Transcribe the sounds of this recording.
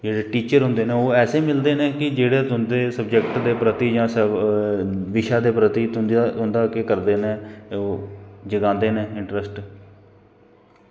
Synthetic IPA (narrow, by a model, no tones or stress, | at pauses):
d͡ʒeːɽeːʈiːt͡ʃəɾɦʊ̃nd̪eːnẽːoːɛːseːmɪld̪eːnẽːkɪd͡ʒeːɽeːt̪ʊnd̪eːsəbd͡ʒəkʈd̪eːpɾət̪iːd͡ʒãːs | ʋɪʃaːd̪eːpɾət̪iːt̪ʊnd̪ʊnd̪aːkekəɾd̪eːnẽːoːd͡ʒəɡãːnd̪eːnẽːɪɳʈɾəsʈ